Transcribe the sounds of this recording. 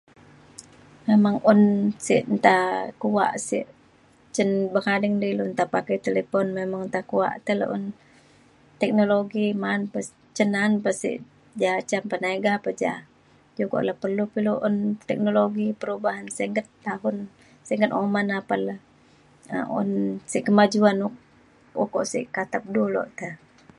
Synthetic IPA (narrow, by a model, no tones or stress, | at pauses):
memaŋʊnsiʔnt̪akua̰ʔsḭʔ | t͡ʃənbəkadɛŋdilunt̪apakajt̪elepɔnmemaŋnt̪akuwa̰ʔt̪əlo̰ʔʊ̰n | t̪ɛk̚noloɡimanpəs | t͡ʃənanpəsḭʔ | d͡ʒat͡ʃampənaiɡapəd͡ʒa̰ | d͡ʒokɔ̰ʔlahpərlupiluʔʊnt̪ɛk̚noloɡipəɾubaɦansɛŋɡət̪ːaɦʊn | sɛŋɡət̪ɔmanapalah | ə̰ʊ̰nsiʔkəmad͡ʒuanʊk̚ | ɔ̰kɔʔsḭʔkat̪ap̚dulɔ̰ʔt̪ə